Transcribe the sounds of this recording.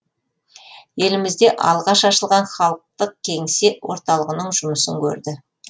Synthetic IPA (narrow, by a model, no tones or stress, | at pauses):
je̞lɪmɪzd̪e̞ʔɑlˠʁɑʃɑʃəlˠʁɑnχɑlˠəq̚t̪əq̚kʲʰe̞ŋsewo̞ɾt̪ɑlˠəʁənəɴʒʊməsəŋkʲʰɵ̰ɾd̪ɪ